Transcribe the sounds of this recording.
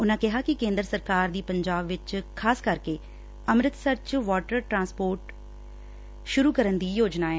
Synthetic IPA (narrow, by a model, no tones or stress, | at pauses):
ʊnãːkɪɦaːkɪkẽːnd̪əɾsəɾkaːɾd̪iːpəɲd͡ʒaːbʋɪt͡ʃkʰaːskəɾkeː | əmɾɪt̪səɾt͡ʃʋɔːʈəɾʈɾãːspoːɾʈ | ʃʊɾuːkəɾənd̪iːjoːd͡ʒnaːeː